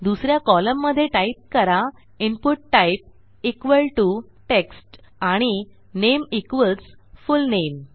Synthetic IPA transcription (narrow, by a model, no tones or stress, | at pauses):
d̪usɾjakɔləmːəd̪ʱːjeʈaip̚kəɾa | inpuʈːaip̚ | ikʋəlʈu | ʈeksʈ | aɽ̃i | nemikʋəlt͡sfulnem